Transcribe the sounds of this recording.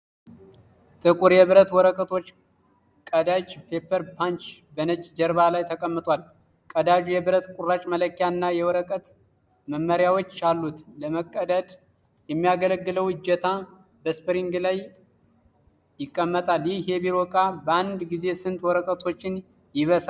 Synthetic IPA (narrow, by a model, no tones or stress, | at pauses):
t̪ʼɨkʼuɾjɛβɨɾət̪wɔɾəkʼət̪ʰo̞t͡ʃː | kʼəd̪at͡ʃpʰe̞pʰːəɾpʰant͡ʃ | bənət͡ʃʼd͡ʒəɾβalajt̪ʰəkʼəmːɨt̪ʼwal | kʼəd̪ad͡ʒujɛβɨɾət̪kʼurːat͡ʃʼmələkːjanːajɛwɔɾəkʼət̪ | məmːəɾjawo̞t͡ʃːalːut̪ləməkʼːəd̪əd̪ | jɛmːijaɡələɡːɨləwɨd͡ʒːɛt̪ʰa | bəspɨɾiŋɡlaj | jɪkʼːəmːət̪ʼaljɪhɛbiɾokʼabəand̪ɡize̞sɨnt̪ʼwɔɾəkʼət̪ʰo̞t͡ʃːɪn | jɪβəsa